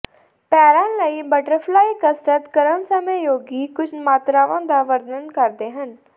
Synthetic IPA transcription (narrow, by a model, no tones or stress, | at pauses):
pɛːɾãːləiːbəʈəɾpʰlaːiːkəsʈət̪kəɾənsəməjoːɡiːkʊt͡ʃʰmaːt̪ɾaːʋãːd̪aːʋəɾd̪əənkəɾd̪eːɦən